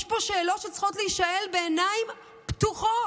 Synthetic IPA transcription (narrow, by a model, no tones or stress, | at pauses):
jʃpo̞ʃe̞ːlo̞tʃet͡sχo̞tliiʃaelbeːnaim | ptuχo